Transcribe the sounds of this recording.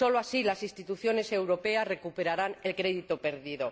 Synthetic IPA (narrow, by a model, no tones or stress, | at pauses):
o̞loasilasist̪it̪uθjo̞ne̞se̞wɾo̞peasre̞kupe̞ɾaɾane̞lkɾe̞ðit̪ope̞ɾðiðo